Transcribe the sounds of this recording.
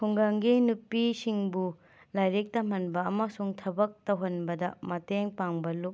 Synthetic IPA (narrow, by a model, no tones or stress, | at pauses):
kʰuŋɡaŋɡinupːisiŋbu | lajɾik̚tɐm̥ɐnbɐːmɐsuŋtʰɐbɐk̚tɐwɦɐnbɐdɐ̰mɐteŋpaŋbɐlup̚